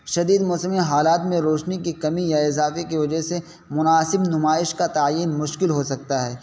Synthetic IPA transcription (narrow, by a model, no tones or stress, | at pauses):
ʃɐd̪iːd̪mɔːsəmiɦaːlaːt̪mẽɾoːʃnikikɐmijaɪzaːfekiʋɐd͡ʒəɦse | mʊnaːsɪbnʊmaːɪʃkat̪aːjiːnmʊʃkɪlɦosɐk̚t̪aɦɛː